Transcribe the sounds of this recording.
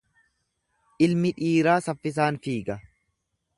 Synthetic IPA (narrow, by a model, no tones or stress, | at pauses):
ʔɪlmɪᶑiːɾaːsɐfːɪs̬aːnfiːɡɐ